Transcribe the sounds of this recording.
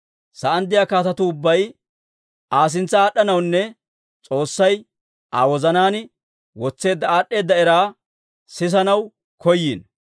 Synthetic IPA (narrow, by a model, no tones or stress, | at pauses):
sɐʔɐnd̪ːɪjaːkaːt̪ɐt̪ʊʊbːɐj | ʔaːs̬ɪnt͡sːɐaːɗːɐnɐwnːɛ | t͡sʼo̞ːsːɐj | ʔa̰wɔzɐnaːn | wɔt͡sːe̞ːd̪ːɐaːɗːe̞ːd̪ːɐɛɾaː | sɪs̬ɐnɐw | kɔjːin